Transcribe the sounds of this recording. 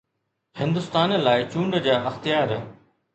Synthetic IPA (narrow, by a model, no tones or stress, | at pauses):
hɪ̃nd̪ʊst̪aːnlaːɪt͡ɕũːɳɖd͡ʑaːʔɐxt̪ijaːɾ